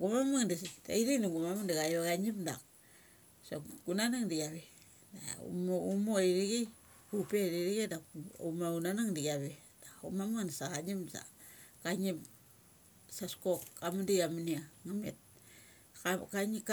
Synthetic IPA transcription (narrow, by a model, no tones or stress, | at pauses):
ɡumamaŋdasida̰iɾiŋnaŋɡumamaŋdaɣajoɡaɲimda̰k | so̰ɡunanaŋdiɡaβe | da̰mumoɾiɾiɡi | kupeɾiɾiɡedaumaunanaŋdiɡaβe | d̥aṵmamaŋdasaɣaɲimsa̰ | kaɲip | saskokːamundiamuniamamḛt̚ | akaɲi